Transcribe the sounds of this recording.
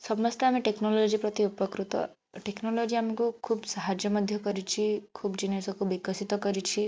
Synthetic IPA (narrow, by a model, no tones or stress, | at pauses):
sɔbmɔst̪eameʈeknolod͡ʒipɾɔt̪iupəkɾut̪ɔ̰ | ʈeknolod͡ʒiamekukʰubsaɦad͡ʒjəməd̪ʱjɔkəɾit͡ʃʰikʰubd͡ʒinesɔkʰubikəsit̪ɔkəɾit͡ʃʰi